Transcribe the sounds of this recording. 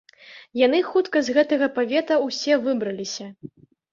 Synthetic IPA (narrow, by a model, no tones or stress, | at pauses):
jan̪ɨxut̪kɐzɣɛt̪ɐɣɐpavʲɛt̪ɐwsʲɛvɨbɾɐlʲisʲɐ